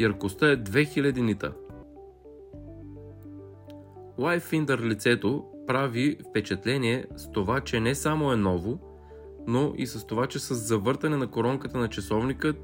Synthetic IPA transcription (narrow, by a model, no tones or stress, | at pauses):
jɐɾkost̪əɛd̪vɛxilʲɐd̪init̪ə̰ | lˠajfind̪əɾlit̪sɛt̪opɾavifpɛt͡ʃɛt̪lɛniɛst̪ovat͡ʃɛnɛsamoɛnɔvo | noʔḭsəst̪ovat͡ʃɛsəzːɐvɤɾt̪ɐnɛnɐkoɾɔŋkət̪ənɐt͡ʃɐsɔvnikə